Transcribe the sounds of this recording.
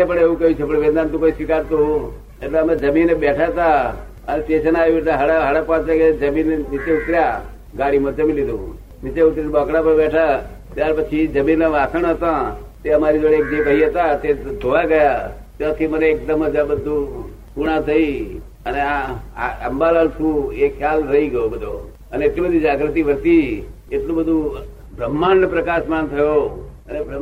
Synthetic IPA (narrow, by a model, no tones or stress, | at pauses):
epəɳeʋũkəjũt͡ʃʰepəɳʋẽnd̪ant̪ũkoiʃɪkaɾt̪ũ | eʈleəmẽd͡ʒəminebɛʈʰat̪a | ənet̪et͡ʃʰənajũeʈleɦəɽaɦəɽapɔ̃t͡ʃaked͡ʒəminʋit̪eut̪ɾja | ɡaɽimə̃d͡ʒəmilid̪ʱṵ̃ | mit̪eut̪ɾibəkɽapəɳbɛʈʰa | t̪jaɾpət͡ʃʰid͡ʒəminːaʋasəɳ̃ɦət̪ãt̪eəmaɾid͡ʒoɽeek̚d͡ʒekəɦiɦət̪at̪ed͡ʒ̪ʱoʋaɡəja | t̪jãt̪ʰiməneːk̚d̪əməd͡ʒ̪ʱãbəd̪ʱːũ | kuɽ̃ãt̪ʰəi | əneaaəmbalalt̪ʰũekʰːjalɾəiɡəjobəd̪ʱo | əneeʈlibəd̪ʱid͡ʒaɡɾət̪iʋəɾt̪i | eʈlũbəd̪ʱũ | bɾəmːanːpɾəkaʃmant̪ʰəjoənebə